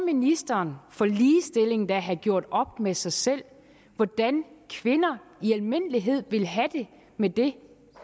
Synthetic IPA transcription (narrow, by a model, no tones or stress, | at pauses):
minisd̥ɐːnfɒliːsd̥e̝le̝ŋn̩d̥æɦæɡ̥jo̝ɐ̰d̥ɒ̽b̥̚mesɑ̈ɪsel̰ | ʋɒd̥ænkʰʋe̝nɐiælme̝n̰liɦe̝ð̞̰ˠʋe̝lɦæd̥e̝ | med̥e̝